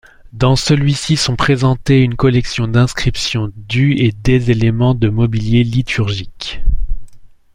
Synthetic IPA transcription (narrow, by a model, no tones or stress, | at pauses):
d̪ɑ̃səlɥisisɔ̃pχezɑ̃t̪eynkɔlɛksjɔ̃d̪ɛ̃skχipsjɔ̃d̪yed̪ezelemɑ̃d̪əmɔbiljelit̪ʰyʁʒik